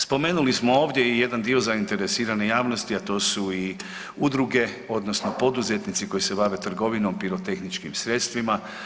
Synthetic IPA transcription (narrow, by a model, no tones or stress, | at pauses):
spo̞me̞ːnulismo̞o̞ːʋd̪je̞ije̞d̪and̪io̞zaint̪e̞ɾesiːɾane̞jaːʋno̞st̪iat̪o̞ːsui | ud̪ɾuɡe̞ | o̞d̪no̞sno̞po̞d̪uze̞t̪nit̪siko̞jise̞baʋe̞t̪r̩ɡo̞ʋino̞mpiɾo̞t̪e̞xnit͡ʃkimsɾe̞t̪st̪ʋima